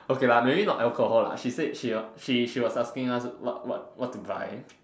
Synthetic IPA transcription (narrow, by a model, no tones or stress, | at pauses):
okelamebinɔʔɛlkohɔla̰ʃisedʃiʃiʃiwɔsaskɪ̃ŋaswɔ̰t̚wɔ̰t̚wɔtːuba̰ɪ